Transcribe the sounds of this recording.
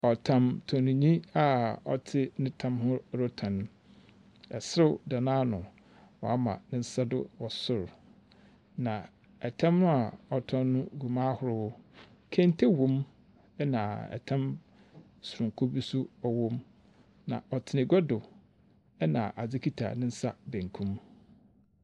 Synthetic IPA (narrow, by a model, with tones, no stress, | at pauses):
ɔ˨tʰã˦mtʰɔ̃˨nũ˨ɲĩ˦a˦ɔ̰˨tʰɪ˦nɪ̃˦tʰã˦mhʊ˦ɾo˦tʰã˨ñ˨ | ɛ̰˨sʊ˦da˨nãː˦nʊ̃˨ | wɔ˨a˦mã̰˨nɪ̃˦n̩˦sa˦dʊ̰˦wɔ˨sʊ˦˨ɾ | nã˨ | ɛ˨tʰã˦mnʊ̃˦a˨ɔ˨tʰɔ̃˦nnʊ̃˦ɡu˨mãː˦hʊ˦ɾʊ˦wʊ˦ | kʰẽ˦n˦tʰe˦wõ˦m | ɛ˦nãː˨ɛ̰˨tʰã˦m | sʊ˨ɾʊ̃˨ŋ˨kʰo˦bi˦sʊ˦ɔ˨wõ˦m | nã̰˨ʔɔ˨tʰɪ˨nɪ̃˨ɡɔ˦dʊ˨ | ɛ˦nã̰˨ʔa˨d͡zɪ˦kʰi˦tʰa̰˨nɪ̃˦n̩˦sa˦bæ̃˨ŋ˨kʰũ˦m